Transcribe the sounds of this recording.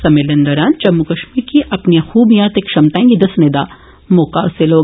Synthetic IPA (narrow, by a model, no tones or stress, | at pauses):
sɐmelɐ̃nd̪ɐɾaːnt͡ʃɐmːukɐʃmiːɾkiʔɐpniãxuːbijãːt̪ekʃɐmt̪aẽːŋɡid̪ɐsned̪aː | mokaːseloː